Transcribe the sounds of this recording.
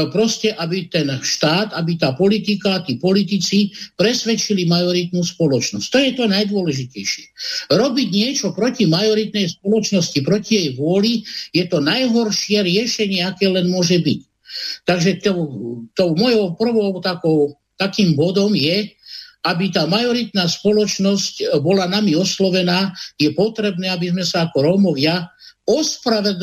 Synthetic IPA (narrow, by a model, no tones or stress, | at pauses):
pɾɔscɛʔabit̪ɛnʃt̪aːt̪abit̪aːpɔlit̪ikaːt̪iːpɔlit̪it͡sipɾɛsʋɛt͡ʃilimajɔɾit̪nuspɔlɔt͡ʃnɔsct̪ɔjɛt̪ɔnajd̪ʊɔlɛʒicɛjʃɪɛɾɔbiɟɲɪɛt͡ʃɔpɾɔcimajɔɾit̪nɛjspɔlɔt͡ʃnɔscipɾɔcijɛjʋʊɔlijɛt̪ɔnajɦɔɾʃɪɛɾɪɛʃɛɲɪɛakɛːlɛnmʊɔʒɛbic | t̪aɡʒɛt̪ɔt̪ɔʊmɔjɔʊpr̩ʋɔʊt̪akɔʊ | t̪akiːmbɔd̪ɔmjɛ | abit̪aːmajɔɾit̪naːspɔlɔt͡ʃnɔscbɔlanamiɔslɔʋɛnaːjɛpɔt̪ɾɛbnɛːabizmɛsaakɔɾɔmɔʋɪaɔspɾaʋɛd̪